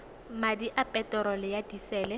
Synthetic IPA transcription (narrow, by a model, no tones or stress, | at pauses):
madiʔapʼɛtʼɔɾɔlɪjadisɛːlɛ